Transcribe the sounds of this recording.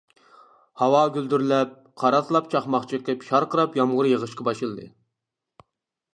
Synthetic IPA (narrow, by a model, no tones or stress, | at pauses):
hɑwɑɡʲøld̪yɾlɛp̚ | qʰɑɾɑt̪ʰlˠɑpt͡ʃʰɑχmɑχt͡ʃʰiq̪ɛpʃɑɾqəɾɑpjɑmʁʊɾjəʁəʃqɑbɑʃɨlˠd̪ɨ̰